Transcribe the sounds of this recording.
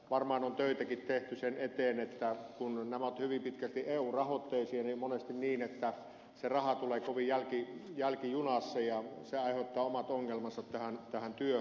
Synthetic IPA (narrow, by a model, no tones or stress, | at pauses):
ʋɑrmɑːnont̪øˑit̪ækit̪t̪eht̪ysenet̪eːnet̪ːækunnæmæot̪hyʋimpit̪kælt̪iʔeːuːrɑhot̪ːeˑisiɑnimonest̪inniːnet̪ːæ | serɑhɑt̪uleːkoʋijælkijælkijunɑsːɑjɑseɑˑiheut̪ːɑːomɑt̪oŋːelmɑnsɑt̪tæhænt̪æhænt̪yø